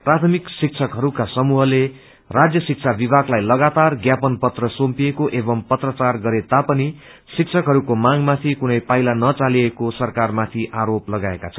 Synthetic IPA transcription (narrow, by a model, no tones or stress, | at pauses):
prat̪ʰʌmiksik̚t͡sʰʌkɦʌɾukasʌmuɦʌle | rad͡zjʌsik̚t͡sʰabibʱaɡlajlʌɡat̪arɡjapʌnpʌt̪rʌsompiekoʔebʌmpʌt̪rʌt͡sarɡʌɾet̪apʌni | sikt͡sʰʌkɦʌɾukomaŋmat̪ʰikunʌjpajlanʌt͡saliekosʌrkarmat̪ʰiʔaɾoplʌɡaekat͡sʰʌn